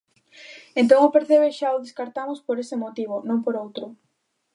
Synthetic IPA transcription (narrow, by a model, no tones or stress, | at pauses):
ẽnt̪̬oŋopeɾθeβeʃaʊðeskaɾt̪amʊspoɾesemot̪iβ̞ʊnõŋpoɾowt̪ɾʊ